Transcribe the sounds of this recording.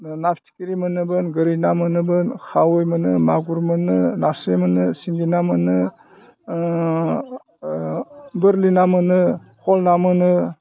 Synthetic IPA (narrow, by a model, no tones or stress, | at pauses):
napʰtʰi̥kiɾimɯnɯbɯnɡɯɾinamɯnɯbɯnkʰawɯjmɯnɯmaɡuɾmɯnɯnasemɯnɯsiŋɡinamɯnɯ | bɯɾlinamɯnɯhʰɔlnamɯnɯ